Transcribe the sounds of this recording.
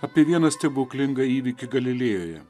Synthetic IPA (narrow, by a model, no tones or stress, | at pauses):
ɐːpʲiɛʋʲiɛnɐsʲt̪ʲɛboːkʲlʲɪŋɡɐiːʋʲɪkʲɪɡɐlʲɪlʲeːjoːjɛ̰